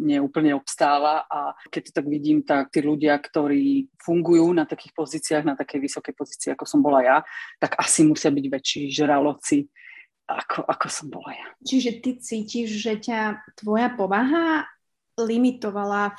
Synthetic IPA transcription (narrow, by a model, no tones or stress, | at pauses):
ɲɪɛuːpl̩ɲɛɔpst̪aːlaʔakɛc̚t̪ɔ̥t̪aɡʋiɟiːmt̪ak̚t̪iːluɟɪakt̪ɔɾiːfuŋɡujuːnat̪akiːxpɔziːt͡siaɣnat̪akɛjʋisɔkɛjpɔziːt͡siɛakɔsɔmbɔlajat̪aɡasimusɪabiɟʋɛt͡ʃːiːʒɾalɔt͡si | ʔa̰kʰɔʔakɔsɔmbɔ̰lajat͡ʃiʒɛt̪it͡siːciʒʒɛcat̪ʋɔjapɔʋaɦa | limit̪ɔʋala